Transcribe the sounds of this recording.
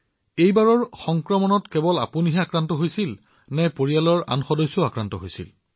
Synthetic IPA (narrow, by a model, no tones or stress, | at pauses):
ejbaɹɔɹxɔŋkɹɔmɔnɔtkɛbɔla̰puniɦɛakɹantɔɦojsil | nɛpoɹijalɔɹa̰nxɔdɔjsːɔakɹantɔ̰ɦojsḭl